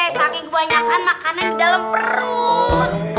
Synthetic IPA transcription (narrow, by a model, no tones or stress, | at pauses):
ɛsakɛkəbaɲakanmakanandidalampəɾut̪